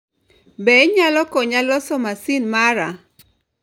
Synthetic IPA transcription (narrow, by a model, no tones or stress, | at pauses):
bɛɲalɔkɔɲalɔsɔmasɪnmaɾa